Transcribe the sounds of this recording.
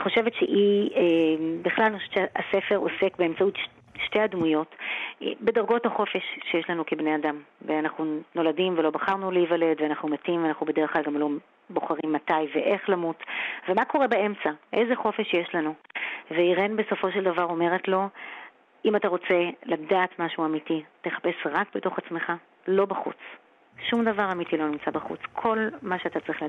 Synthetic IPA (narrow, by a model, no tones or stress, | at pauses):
aniχo̞ʃe̞vetʃeʔiembiχlalanixoevet͡ʃasefe̞ʁo̰se̞kbeemt͡sautʃ | ʃte̞jadmujo̞t | be̞daʁɡo̞thaχo̞fe̞ʃːejeʃlanukebneadamveanaχnuno̞ladimvelo̞baχaʁnuleivale̞d̪veanaχnumatimveanaχnubedeeχklalɡamlo̞ | boχaʁimːatajveʔe̞χlamutve̞mako̞ʁe̞bae̞mt͡saʔe̞zeχo̞fe̞ʃjeʃlanuveiʁenbe̞so̞fo̞ʃe̞ldavaʁo̞me̞ʁetlo̞ | imataʁo̞t͡se̞ladaːtmaʃuamitite̞χḁpe̞sʁakbeto̞χat͡smeχa | lo̞baχṵt͡s | ʃumd̪avaʁamitilo̞nimt͡sabaχṵt͡skʰo̞lmaʃeat̪at͡sʁiχl